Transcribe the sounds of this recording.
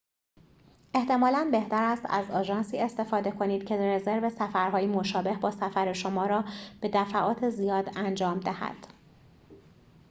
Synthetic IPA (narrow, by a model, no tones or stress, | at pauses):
ʔeht̪ʰe̞mɒːlænbe̞ht̪æɾæst̪æ̰zɒːʒɒːnsiːe̞st̪e̞fɒːd̪e̞kʰo̞niːd̪̥̚cʰe̞ɾeze̞ɾve̞sæfæɾɦɒːjemo̞ʃɒːbe̞hbɒːsæfæɾe̞ʃomɒːɾɒːb̥e̞d̪æfæʔɒːt̪ʰezijɒːd̪ænd͡ʒɒːmd̪æhæ̰d̪̥